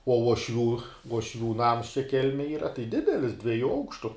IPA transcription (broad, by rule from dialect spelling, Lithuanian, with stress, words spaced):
uɔ uɔˈʃʲʋʲuː uɔʃʲˈʋʲuː ˈnɐms t͡ʃʲɛ ˈkʲɛlʲmʲɛj ˈiːrɐ tɐɪ ˈdʲɪdʲɛlʲɪs dʲʋʲiɛˈjuː ˈɐʊkʃtʊ